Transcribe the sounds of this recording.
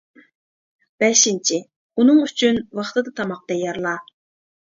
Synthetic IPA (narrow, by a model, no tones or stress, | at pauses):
b̥ɛʃint͡ʃʰi | unɨŋyt͡ʃʰynwɑχt̪ɨd̪ɨt̪ʰɑmɑq̚d̪̥ɛjɑɾlˠɑ